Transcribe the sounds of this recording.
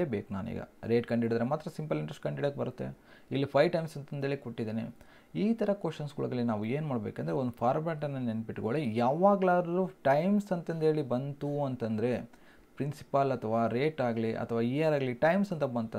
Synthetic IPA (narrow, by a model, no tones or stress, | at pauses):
eːbeːkna̰ːnḭːɡɐ̰ɾeːʈkɐɳɖiɽid̪ɐɾemaːt̪ːɾɐsimpɐliɳʈɾɐsʈkɐɳɖiɽɐk̚bɐɾut̪ːḛilːipʰɐjʋʈɐjmsɐnt̪ɐnd̪ɦeːɭikoʈːid̪eːnḛ | iːt̪ɐɾɐkoʂɐnsɡuɭɐɡɐlːinaːʋueːnmaːɽbeːkɐnd̪ɐɾeond̪upʰaːɾmaːʈ̬ɐnːɐnenpiʈɡoːɭijaːʋaːɡɭaːɾɾuʈɐjmsɐnt̪ɐnd̪ɦe̞ːɭibɐnt̪uɐnt̪ɐnd̪ɐɾe̞ | pɾinsi̥pɐlɐt̪ʰɐʋaːɾeːʈaːɡliʔɐ̰t̪ʰɐʋaːiɐɾaːɡliʈɐjmsɐnt̪ɐbɐnt̪ɐ